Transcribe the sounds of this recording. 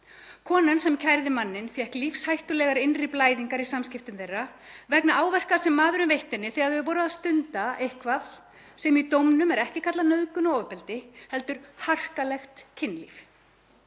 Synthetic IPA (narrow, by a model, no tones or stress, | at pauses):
kʰɔːnansɛmcʰajɾðɪmanːɪnfjɛhklifshajht̪ʏlɛɣaɾɪnriplaːjðiŋkaɾisamscɪft̪ʏmθejrːa | vɛknaaːwvɛr̥kasɛmːaːðʏɾʏmvejht̪ɪnːɪθɛɣaðɪvɔːɾʏaðst̪ʏnt̪aejhkvaθ | sɛmit̪owmnʏmɛɾɛhcɪkʰat̪lanœðkʏnaoːwpɛlt̪ɪhɛlt̪ʏɾ̥har̥kalɛxt̪cʰɪnːlif